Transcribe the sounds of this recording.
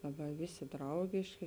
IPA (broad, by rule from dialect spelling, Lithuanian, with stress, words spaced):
lˠɐˈbɐɪ ˈʋʲeːˌsʲeː ˈdrɐʊɡʲeːʃʲkʲeː